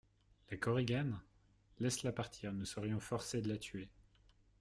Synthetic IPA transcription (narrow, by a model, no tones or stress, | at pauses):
lakɔʁeɡʲan | lɛslapaʁt̪ʰiʁnusəʁjɔ̃fɔʁsed̪əlat̪ʰɥe